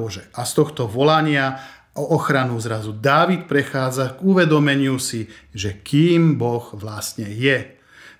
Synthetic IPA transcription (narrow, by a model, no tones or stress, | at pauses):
ɔʒɛʔast̪ɔxt̪ɔʋɔlaɲɪa | ɔʔːxɾanuzɾazud̪aːʋit̪pɾɛxaːd͡zaɡuʋɛd̪ɔmɛɲɪusiʒɛkiːmbɔɣʋlast̪ɲɛjɛ